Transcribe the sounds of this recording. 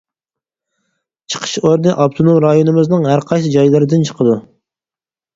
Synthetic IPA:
t͡ʃʰə̥qʰə̥ʃoɾnɨʔɑp̚t̪ʰonomɾɑjonɨmɨznɨŋɦæɾqʰɑjs̬ɨd͡ʒɑjlˠɨɾɨd̪ɪnt͡ʃʰə̥qʰəd̪u

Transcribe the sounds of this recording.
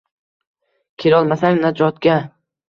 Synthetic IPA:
kʲʰeɾɒlˠmasaŋnad͡ʒɒt̪ɡʲa

